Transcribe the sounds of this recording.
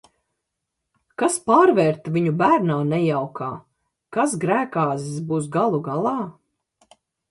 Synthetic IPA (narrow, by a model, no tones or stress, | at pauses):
kaspaːɾvɛːɾt̪viɲubæːɾnaːnɛjawkʰaː | kas̬ɡɾæːkaːzisbuːs̬ɡalˠuɡalˠɑː